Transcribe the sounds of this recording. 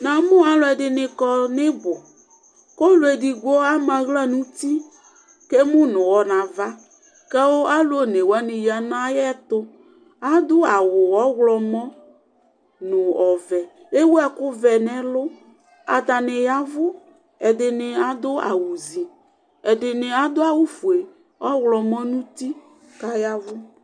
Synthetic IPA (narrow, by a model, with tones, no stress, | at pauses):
nã˨mʊ̃˦a˨lʊ˨˦ɛ˨dɪ˨nɪ˨kɔ˦nɪ˦bʊ˨ | ko˦lʊ˨ɛ˨di˨ɡɔ˦a˦mã˨ɣla˦nũ˦t̪i˦ | kɛ˦mʊ̃˦nʊ̃˨wɔ˦nã˨va˦ | kɛ˦wʊ˦a˦lʊ˦o˦ne˨wa˦nɪ̃˨ji˨a˨nã˦jɛ˦t̪ʊ˦ | a˦d̪ʊ˦a˨wʊ˨wɔ˦ɣlɔ˨mɔ̃˦ | nʊ̃˨ɔ˨vɛ˨ | e˦wu˦a˦kʊ˦vɛ˨nɛ̃˦lʊ˦ | a̰˨t̪a˨nɪ˨ja˦vʊ˦ | ɛ˨dɪ˨nɪ˨a˦d̪ʊ˦a̰˨wu˨zi˨ | ɛ˨dɪ˨nɪ˨a˦d̪ʊ˦a˦wʊ˦fu˨e˨ | ɔ˦ɣlɔ˨mɔ̃˦nũ˦t̪i˦ | ka˦ja˦vʊ˦